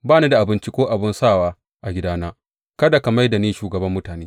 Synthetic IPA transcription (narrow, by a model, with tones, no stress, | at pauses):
baː˦˨neː˦da˨ʔa˨bɪ˦nt͡ʃi˦kʷoː˦ʔa˨bɪ˦nsaː˦˨waː˦ | ʔa˨ɡʲɪ˦daː˦naː˦ | kɐ˦da˨ka˨ma˦jda˨neː˦ʃuː˨ɡɐ˨bɐ˦mːʊ˦taː˨neː˦